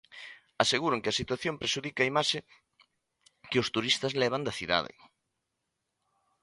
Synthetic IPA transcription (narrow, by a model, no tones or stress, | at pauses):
aseɣuɾʊŋkɪɐsit̪waθjompɾeʃuðikaimaʃɪ | keʊst̪uɾist̪ɐzlɛβand̪ɐθiða̰ðɪ̰